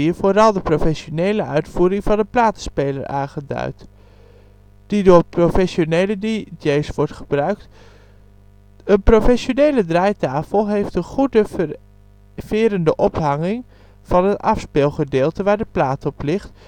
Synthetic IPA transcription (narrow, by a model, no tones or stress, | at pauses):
iəvoːɾɑlˠdəprofɛʃonejləʔœ̰ɥtfuːɾɪŋvɑndəplaːtə̥spejləɹa̰ːnχədœ̰ɥt | d̥idʊːɹprofɛsonejlədid͡ʒejsʋɔɹtχəbrœɥkt | ənprofɛʃonejlədrɛjtaːfəlˠɦejftənχudə | v̥ɪːɾəndəʔɔpɦɑŋɪŋ | v̥ɑnənɑfspɪːlˠχədɪːlˠtəʋaːɹdəplaːtɔplɪχt